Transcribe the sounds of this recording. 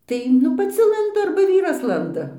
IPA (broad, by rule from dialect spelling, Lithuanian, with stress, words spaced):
ˈtɐɪ nʊ pɐˈt͡sʲɪ ˈlˠɐndʊ ɐrbɐ ˈʋʲiːrɐs ˈlˠɐndɐ